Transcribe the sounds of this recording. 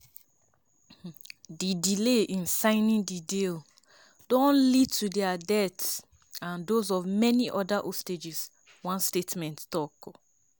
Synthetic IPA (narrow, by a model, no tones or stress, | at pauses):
didileʔĩnsãɪnĩndidel | dɔ̃nlid̚tʰudɛadɛts | ãndozɔvmɛniʔɔdaʔɔsted͡ʒis | wãnstetmɛ̃nttɔk